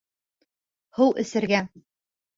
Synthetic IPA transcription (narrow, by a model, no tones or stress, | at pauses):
huwʔɘ̆sɘ̆ɾɡæ